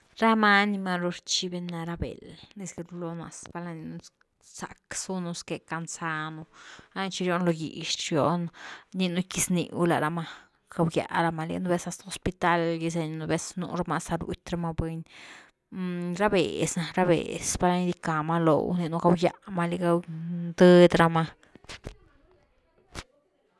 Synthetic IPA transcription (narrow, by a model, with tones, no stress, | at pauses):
ɾa˦ma˦ni˧ma˧ɾu˧ɾt͡ʃi˦be˧nːa˧ɾa˧bḛ˨lne˧ski˧ɾu˧lo˧na̰˧sba˧la˧ni˧nu˧ | sa̰˨ksu˦nu˧ske˨ka˧nsa˦nu˧ɾa˦˧t͡ʃi˧ɾjo˦nlo˧ɡḭ˨ʃɾjo˦nni˧nu˦ki˧snḭ˨wla̰˨ɾa˧ma˧ | ɡ̥a˧wja̰˨ɾa˧ma˧lḭ˧nu˧be˧sa˧st̪a˨o˧spi˧t̪a˦lji˧s̬e˧ɲ˧nu˧be˧˦snṵ˧ɾma˧sa˧ɾṵ˨˦t̪ʲɾa˧ma˦bwe˧ɲ | ɾa˦bḛ˨sna˧ɾa˦bḛ˨spa˧ɾa˧ɲi˦d̪i˧ka˨ma˧lo̰˨wni˧nu˧ɡa˧wja˧ma˧li˧ɡa˧d̪ə˦d̪ɾa˧ma˧